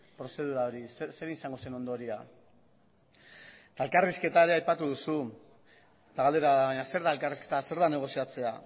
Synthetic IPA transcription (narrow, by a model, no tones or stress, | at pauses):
pɾo̞se̞ð̞uɾaoɾisse̞ɾeisaŋɡo̞se̞no̞nd̪o̞ɾia | t̪ae̞lkariske̞t̪aeɾe̞ajpat̪uðusu | t̪aɣald̪eɾaβaɲase̞ɾðaelkariske̞t̪ase̞ɾðane̞ɣ̞o̞siat͡se̞a